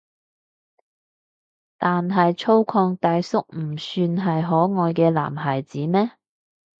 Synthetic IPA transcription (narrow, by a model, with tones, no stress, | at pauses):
t̪aː˨nɦɐ˨jt͡ʃʰo˥wkʰɔː˧ŋt̪aː˧jsʊ˥k̚m̩˨˩syː˧nɦɐ˨jɦɔː˨˥ŋɔː˨jkɛː˧la̰ː˨˩mɦaː˨˩jt͡siː˨˥mɛː˥